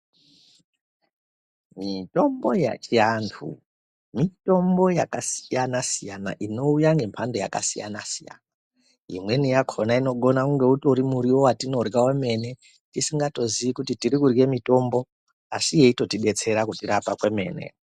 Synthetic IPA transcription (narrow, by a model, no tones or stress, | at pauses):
mito̞mbo̞ja̰t͡ʃiantʰṵ | mito̞mbo̞jakasi̥janasijana̰ʔino̞ujaŋɡe̞mpʰando̞ja̰ka̰sḭja̰nasija̰na | ḭmwe̞nijakʰo̞naino̞ɡo̞nakuŋɡe̞utuɾimuɾiwo̞watino̞rɡaweme̞ne̞ | tisiŋɡato̞ziʋikutitiɾikurɡe̞mito̞mbo | asije̞itotiɓe̞t͡se̞ɾakutiɾapakwe̞me̞̰ːne̞̰